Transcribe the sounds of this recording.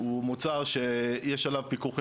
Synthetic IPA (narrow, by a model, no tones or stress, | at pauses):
umut͡saʁʃejɛʃalavpikuχ